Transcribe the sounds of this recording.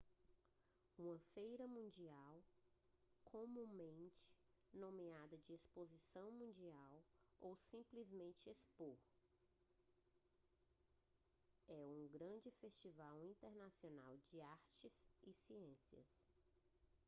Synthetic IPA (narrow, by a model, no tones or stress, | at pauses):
ũmɐfejɾɐmũd͡ʒiaw | kʰõmũmẽnt͡ʃɪ̥ | nõmiad̪ɐd͡ʒɪespozisɐ̃w̃mũd͡ʒiawowsĩplizmẽnt͡ʃɪespoɾ | ɛũɡɾɐ̃d͡ʒɪfest͡ʃivawĩnt̪eɾnasiona̰wd͡ʒɪaɾt͡ʃɪzɪsiẽsiɐ̰s